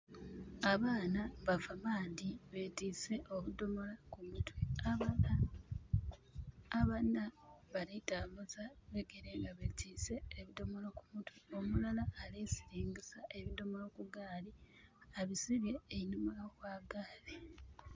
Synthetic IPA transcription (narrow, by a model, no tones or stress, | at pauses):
aβaːnaβafamaːndiβe̞tiːse̞ʔoβudo̞mo̞lakumutwia | βanaβaɾitaːmbuzaβeɡeɾeːŋɡaβetʰiːse̞ːβido̞mo̞loku̥mutwio̞mulalaːleːsiɾiːŋɡisaʔe̞βido̞molokuɡaːliaβisiβje̞ːinumulokwaːɡale